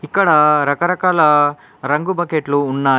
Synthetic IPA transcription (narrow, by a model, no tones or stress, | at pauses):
ikːɐɽɐɾɐkɐɾɐkaːlɐ | ɾɐŋɡubɐkeʈluːnːɐ